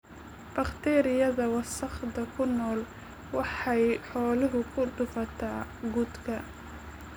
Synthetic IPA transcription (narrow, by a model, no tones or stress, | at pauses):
b̥ɐχt̪ʰɛːɾɪjɐðɐwɑsɑχd̪ɐkʰʊnɔːl | wɑħɑjħɔːlɪɦʊkʰʊɖʊfɐt̪ʰaːɡʊd̪kʰɐ